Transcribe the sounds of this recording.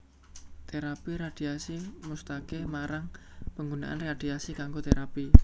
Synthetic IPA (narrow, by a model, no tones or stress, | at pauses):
t̪eɾapiɾad̪̥i̤asimust̪akemaɾaŋpəŋɡuna̰ʔa̰nread̪̥iasikaŋɡot̪eɾapi